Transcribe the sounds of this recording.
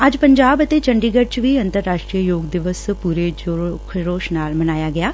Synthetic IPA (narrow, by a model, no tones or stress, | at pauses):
əd͡ʒpəɲd͡ʒaːbət̪eːt͡ʃəɳɖiːɡəʈ̚t͡ʃʋiːənt̪əɾːaːʃʈɾiːəjoːɡd̪ɪʋəspuːɾeːd͡ʒkʰɾoːʃnaːlmənaːjaːɡɪjaː